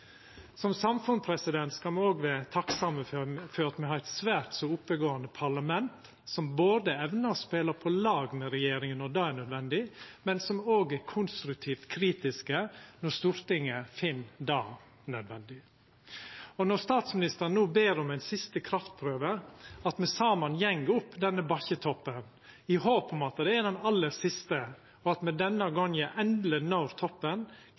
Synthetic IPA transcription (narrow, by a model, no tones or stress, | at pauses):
sɔmsɑmfʉnpʰɾɛsɪd̪ɛnt̪skɑmɛoːɡʋæːt̪ʰɑksɑməfɔɾɑt̪mɛhɑɾæɪt̪sʋæːɾt̪sɔʊpːəɡoːɑnd̪əpʰɑɭɑmɛnt̪ | sɔmboːd̪əɛʋnəɾspeːləpʰɔlɑːɡmɛɾɛjeːɾɪŋənɔd̪ɑːæɳœd̪ʋɛnd̪ɪmɛnsɔmoːɡækʰʊnst̪ɾʉk̚t̪ʰiːft̪kʰɾiːt̪ɪskənɔɾst̪uːɾt̪ɪŋəfɪnːd̪ɑː | nœd̪ʋɛnd̪ɪ | ɔnɔɾst̪ɑːt̪smɪnɪst̪əɾənnuːbeːɾɔmæɪnsɪst̪əkʰɾɑft̪̚pʰɾøːʋəɑt̪mɛsɑːmɑnjɛŋɡʊpːd̪ɛnːəbɑçət̪ʰɔpːən | ɪhoːpɔmɑt̪d̪ɛæɾd̪ɛnɑlːəɾsɪst̪ə | ɔɑt̪mɛd̪ɛnːəɡɔŋəʔɛnd̪lənɑʊɾt̪ʰɔpːən